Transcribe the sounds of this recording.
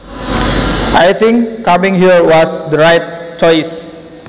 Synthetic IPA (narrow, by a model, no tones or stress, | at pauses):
ʔajt̪ʰɪ̃ŋkːamĩŋɦiɹwɔsd̪əɹajt̪̚t͡ʃɔjs